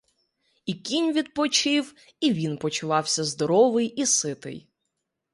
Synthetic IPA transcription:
ikʲinʲʋʲid̪̚pɔt͡ʃɪw | iʋʲinpɔt͡ʃʊʋɑwsʲɐzd̪ɔɾɔʋɪjisɪt̪ɪ̰j

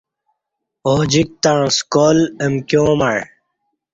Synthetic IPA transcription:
oːd͡ʑik̚t̪ãːskoːlemkjõːmaɻ

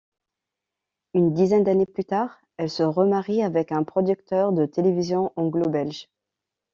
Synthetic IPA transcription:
ynd̪izɛnd̪aneplyt̪aʁ | ɛlsəʁəmaʁiavɛkɛ̃pχɔd̪yk̚t̪œʁd̪ət̪elevizjɔ̃ʔɑ̃ɡlobɛlʒ

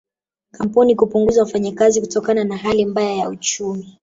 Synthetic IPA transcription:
kam̩punikupuŋɡuzawafaɲakazikutɔkananaɦalimbajajaut͡ʃumi

